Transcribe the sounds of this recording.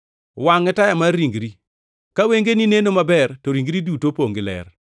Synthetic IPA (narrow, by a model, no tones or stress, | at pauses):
waŋɛtajamaːiŋɡɾi | kaweŋɡeninenomabɛrtoɾiŋɡɾidutopoŋɡɪlɛ̰r